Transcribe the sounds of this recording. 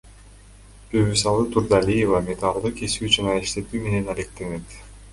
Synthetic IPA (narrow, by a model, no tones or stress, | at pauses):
bøβysɑlˠɯt̪ʰuɾd̪alʲijevamʲe̞t̪alˠd̪ɯkesyt͡ʃɑnaiʃt̪e̞t̪yːme̞ne̞nalek̚t̪e̞ne̞t̪